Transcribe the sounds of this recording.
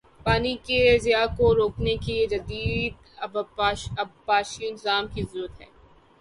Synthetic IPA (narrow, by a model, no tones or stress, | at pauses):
paːnikezɪjakoɾoːknekeed͡ʒɐd̪iːd̪̚ | bɐbpaːʃiɪnɪzaːmkizɐɾuːət̪ɦɛ̰ː